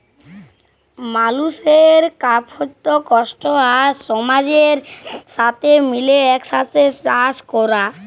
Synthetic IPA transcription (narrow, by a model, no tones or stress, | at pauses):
maluʃeɾkapʰot̪ːokɔʃʈoaɾʃɔmad͡ʑeɾʃat̪ʰemileɛkʃat̪ʰet͡ɕaskɔɾa